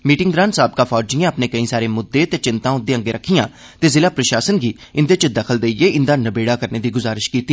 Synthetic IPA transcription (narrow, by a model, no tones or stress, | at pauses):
miːʈɪŋɡd̪ɾaːnsaːb̚kaːpʰɔːd͡ʒijãːəpnẽːkəĩːsaːɾeːmʊd̪ːeːt̪eːt͡ʃɪnt̪ãːʊd̪eːə̃ŋɡeːɾəkʰːijãː | t̪eːzɪlaːpɾəʃaːsənɡiː | ɪnd̪eːt͡ʃəd̪əkʰəld̪eːieːɪnd̪aːnəbeːɽaːkəɾneːd̪iːɡʊzaːɾɪʃkiːt̪ːiː